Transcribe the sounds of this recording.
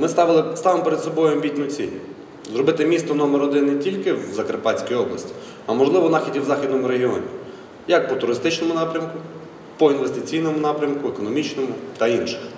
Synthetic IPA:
mɪst̪ɑʋɪlˠɪst̪ɑʋɪmɔpeɾed̪sɔbɔjʊɐmbʲitʲnʲʊt͡sʲḭlʲ | zɾɔbɪt̪ɪmʲist̪ɔnɔmeɾɔd̪ɪnːetʲilʲkɪwzɐkɾpɑt͡sʲkɔjɔblˠɐ̰sʲtʲi̥ | ɐmɔʒlˠɪʋɔnɑxʲidʲiwzɑxʲid̪nɔmʊɾeɦʲiɔnʲḭ | jɐk̚pɔt̪ʊɾɪst̪ɪt͡ʃnɔmʊnɑpɾʲɐmkʊ | pɔinʋest̪ɪt͡sʲijnɔmʊnɑpɾʲɐmkʊekɔnɔmʲit͡ʃnɔmʊt̪ɐinʃɪ̥x

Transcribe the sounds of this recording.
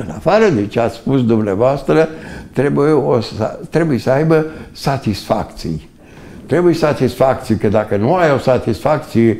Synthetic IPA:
ɨna̰faɾəd̪et͡ʃeat̪sʲspusd̪umneavoast̪ɾət̪ɾebujeost̪ɾe̞bujesəajbəsat̪isfa̰kt̪sḭj | t̪ɾe̞bujesat̪isfak̚t̪sijkəd̪akənuajo̞sat̪isfak̚t̪sije

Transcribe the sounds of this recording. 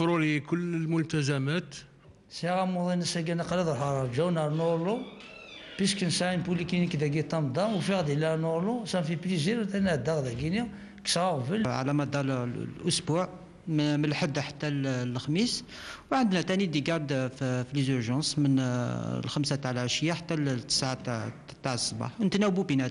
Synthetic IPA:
fɾulikʊlːəlmʊlt̪æzæmæt̪ | siɣæmud̪ˤinəsæɡænɑqlid̪ˤəlħɑɾˤɑɾʒæwnɑɾnoɾlu | pisknsæʕinpulikinikd̪æɡit̪ˤːɑmd̪ɑwfiɣd̪lænoɾlusæmfipliziɾt̪ænæʕd̪ɑɣd̪æɡini | ksɑɣvəlʕa̰læmɑd̪ɑɾlʔʊsbuʕ | mmənlħəd̪ːħḁt̪ːællxmis | wʕənd̪næt̪ænid̪iɡɑɾd̪ffilizuɾʒɑ̃smənlxəmsat̪ʕlʕəʃəjaħḁt̪ːælt̪ːə̥sʕa | t̪aʕsˤːba̰ħnət̪næwbubinæt̪

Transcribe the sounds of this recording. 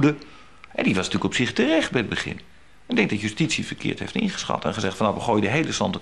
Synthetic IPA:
də | ʔɛ̰ndiʋɑsnətyːləkɔpsɪχtərɛχt̚bɛjəd̚bəχɪ̰n | ɪɡ̚dɛŋk̚dɑtjystitsifərkʰɪ̰ːɹthḛftɪ̰nχə̥sχɑ̰tɛ̰nχəzɛχtfɑnɑfʋəχoːjədəɦejləsɑ̰ntə

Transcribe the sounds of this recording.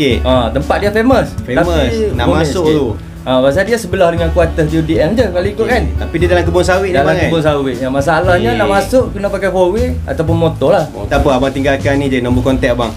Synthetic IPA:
eat̪əmpat̪̚diafeməsfeaməna̰ʔmasʊʔ̪u | ãbas̬adiasəbəlahdəŋankuat̪ədiudiɛŋd͡ʒəkaliikʊʔ̚kant̪apidiadalakəbʊŋsawɪʔdaakəabʊŋs̬awɪʔjamasaːlahɲanaʔʔmasʊʔkənapakajfowea̰t̪awp̬ʊnmot̪ɔlaht̪apəabaŋt̪iŋɡalkanːĩd͡ʒadinə̃mbukɔnt̪ɛʔbaŋ

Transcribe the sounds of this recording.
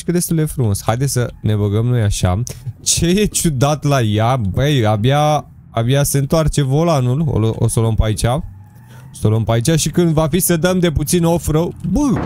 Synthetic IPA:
ʃkəd̪e̞st̪uld̪efɾumo̞sha̰jd̪esʲsəne̞βəɡəmno̞jaʃa̰t͡ʃe̞jet͡ʃud̪at̪lajabejabjaː | bjaseɨnt̪oart͡ʃe̞vo̞lanulo̰lʔo̰soləmpait͡ʃa | osoləmpait͡ʃaʃikɨnd̪vafisəd̪əmd̪e̞put̪sinofɾəbɨ

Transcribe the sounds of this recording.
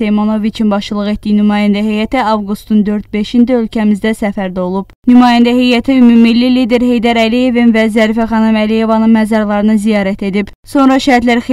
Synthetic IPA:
ejmonovit͡ʃʰinbɑʃɯlˠɯɣe̞t̪d̪ijinymɑːjænd̪æɦejæt̪iɑvɡust̪und̪ø̞ɾt̪̚be̞ʃind̪æø̞lcʰæmizd̪æsæfæɾd̪æo̞lˠub̥nymɑːjænd̪æɦejæt̪ʰiymumilːilid̪eɾhe̞jd̪æɾælije̞vinvæzæɾifæχɑnɯmælije̞vɑnɯnmæzɑɾlˠɑɾɯnɯzijɑːɾæt̪ʰe̞d̪ib | so̞nɾɑʃæɾt̪læɾx

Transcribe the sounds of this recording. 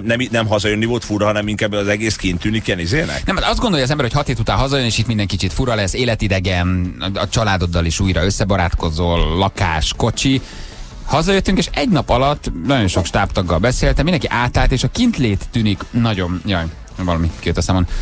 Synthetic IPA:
nɛminɛmɦɒzɒjønːivo̞lt̪fuɾɒɦɒnɛmiŋkabɛɒzɛɡeːskint̪ːyːnikɛnizeːnɛ̰knɛmɒzd̪ɡo̞ndojɒzɛmbɛɾho̞cʰɒt̪heːt̪ut̪aːnɦɒzɒjøneːʃit̪mind̪ɛŋkit͡ʃit̪fuɾɒlɛsːeːlɛt̪id̪ɛɡɛnɒt͡ʃɒlaːd̪o̞d̪ːɒliʃuːjɾɒø̞sːɛbɒɾaːt̪ko̞zoːlːɒkaːʃko̞t͡ʃi | hɒzɒjøt̪ːyŋkeːʃɛɟnɒpɒlɒt̪ːnɒɟo̞nʃo̞kʃt̪aːpt̪ɒɡːɒlbɛseːlt̪ɛmind̪ɛŋkiʔaːt̪aːlt̪eːʃɒkint̪leːt̪ːyːniknɒɟo̞njɒj | vɒlɒmikijøt̪ːɛsaːmon

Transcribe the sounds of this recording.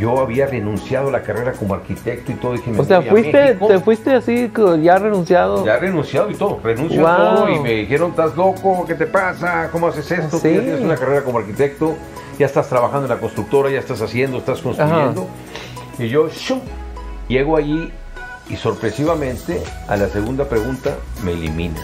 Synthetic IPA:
ʝo̞aβiarenũnsjað̞olakare̞ɾakomoaɾkit̪e̞k̚t̪oit̪oðixemeoseaawist̪eoefwist̪easikʝarenũnsjaðojarenũnsjaðoit̪oðorenũnssjwaoðoimeðixe̞ɾo̞nst̪azlo̞koke̞t̪e̞pasakomoasese̞st̪ot̪uat̪enesunakare̞ɾakomoaɾkit̪e̞k̚t̪o̞ | ʝaest̪ast̪ɾaβaxãnd̪onlakonst̪ɾuk̚t̪o̞ɾajaest̪asasje̞nd̪oest̪askonstaɾxaend̪o̞ | iʝo̞ʃu | ʝeɣoaʝi | iso̞ɾpɾe̞siβamẽ̞nt̪ea̰lase̞ɣund̪apɾe̞ɣunt̪a̰melḭmḭ̃na̰

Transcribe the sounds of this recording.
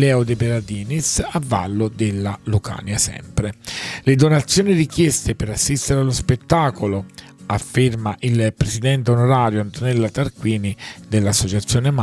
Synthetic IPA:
lɛːod̪ebeɾad̪iːnisavːa̰lːod̪elːaluka̰ːnjasɛ̰mpɾeled̪onat̪sːjoːnirikjɛst̪epeɾasːist̪eɾealːospet̪ːaːkolo | afːermaʔilpɾesid̪ɛnt̪eonoɾaːɾjoant̪onɛlːat̪arkwiːnid̪elːasːot͡ʃat̪sːjoːnem

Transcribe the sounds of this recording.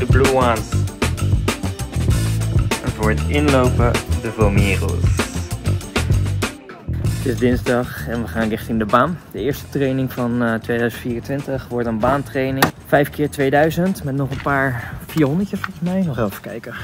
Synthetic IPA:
dəbluans | ɛnvʊːɹətɪnlowpədəvɔmiːro̰s | ətɪzdɪnzdɑχɛnʋəχaːnrɪχtɪndəbaːnd̥əɪːɹstə̥trejnɪŋvɑntʋejdœɥzəntfiːrəntʋɪntəχʋɔɹtənbaːntrejnɪŋv̥ɛjfkɪːɹtʋejdœɥzəntmɛtnɔχənpaːɹfiːɹɦɔndəɹcəsfɔlˠχəsmɛjnɔχɛlˠfə̥kɛjkə

